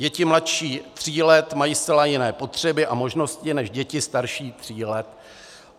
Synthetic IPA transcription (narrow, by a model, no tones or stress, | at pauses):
ɟɛcɪmlat̪ʃiːt̪r̝̥iːlɛt̪majiːst̪t͡sɛlajɪnɛːpo̞t̪r̝̥ɛbɪʔamo̞ʒno̞scɪnɛʃɟɛcɪst̪aɾʃiːt̪r̝̥iːlɛt̪